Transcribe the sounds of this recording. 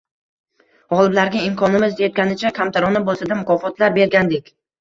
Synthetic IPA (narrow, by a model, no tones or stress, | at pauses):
ɒlˠɪblaɾɡʲaɪmkʰɒnɪmɪzd̪et̪̚kʲanɪt͡ʃʰakʲʰamt̪ʰaɾɒnɪbolˠsad̪amʊkʰɒfɒt̪laɾbe̞ɾɡʲand̪ekʲ